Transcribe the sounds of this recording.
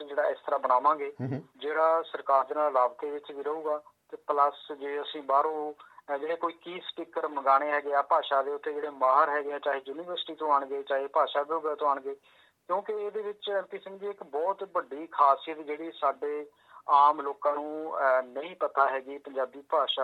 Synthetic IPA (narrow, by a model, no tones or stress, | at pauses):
d͡ʒeːɽaːɪst̪əɾaːbənaːʋãːɡeːd͡ʒeːɽaːsəɾkaːɾd̪eːnaːllaːbt̪eːʋɪt͡ʃʋiːɾəɦuːɡaː | t̪eːpləsd͡ʒeːəsĩːbaːɾõːd͡ʒeːɽeːkoːiːkiːsʈiːkəɾməɡaːɽ̃eːɦɛːɡeaːpaːʃaːd̪eːʊt̪ʰːeːd͡ʒeːɽeːmaːɦəɾɦɛːɡeaːt͡ʃaːɦeːjuːniːʋəɾsʈiːt̪õːaːɳɡeːt͡ʃaːɦeːpaːʃaːboːɡeːt̪õːaːɳɡeː | kjõːkɪeːd̪eːʋɪt͡ʃɛːmpiːsɪ̃ŋɡd̪iːɪkbɔːt̪bəɖiːkʰaːsijət̪d͡ʒeːɽiːsaːɖeː | aːmloːkãːnũːnəĩːpət̪aːɦɛːɡiːpəɲd͡ʒaːbiːpaːʃaː